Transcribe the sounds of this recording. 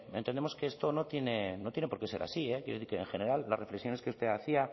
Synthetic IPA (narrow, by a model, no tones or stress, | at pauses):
ent̪end̪emo̞ske̞est̪onot̪je̞ne̞not̪jenepo̞ɾke̞se̞ɾʔa̰siekjeɾoθiɾkeːŋxene̞ɾalːa̰re̞fleksjo̞ne̞skeust̪e̞aθia